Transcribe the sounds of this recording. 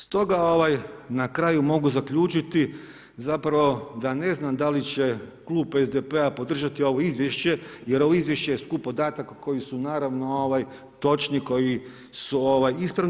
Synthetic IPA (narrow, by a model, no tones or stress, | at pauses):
st̪o̞ɡao̞ʋajnakɾajumo̞ɡuzakʎuːt͡ʃit̪i | zapɾaʋo̞d̪ane̞znamd̪alit͡ɕe̞klˠuːpezd̪epe̞apo̞d̪r̩ʒat̪io̞ʋo̞izʋjeʃt͡ɕe̞je̞ɾo̞ʋo̞izʋje̞ʃt͡ɕejeskupod̪aːt̪akːo̞jisunaːɾaʋno̞oʋaj | t̪o̞t͡ʃniko̞ji | suoʋajispɾaʋ